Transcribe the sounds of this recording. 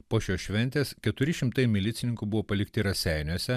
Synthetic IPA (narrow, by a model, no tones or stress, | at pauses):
poːʃʲoːʃʲʋʲɛnʲt̪ʲeːskʲɛt̪ʊɾʲɪʃʲɪmt̪ɐɪmʲɪlʲɪt̪sʲɪnʲɪŋkʊbʊʋoːpɐlʲɪkt̪ʲɪɾɐsʲæˑɪnʲuɔsʲɛ